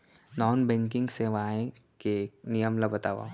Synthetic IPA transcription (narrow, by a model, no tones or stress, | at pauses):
nɔːnbɛ̃ŋk̬ɪ̃ŋɡseʋaẽkek̚nijəmlɐbət̪aːʋa̰